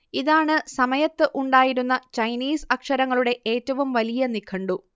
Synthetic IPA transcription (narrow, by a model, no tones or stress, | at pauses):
iðaːɳɨsɐmɐjɐt̪ːɨʔuɳɖaːjiɾunːɐt͡ɕɐjniːsɐkʂɐɾɐŋːɐɭuɽe̞ʔeːtːɐʋumʋɐlijɐnikʰːɐɳɖu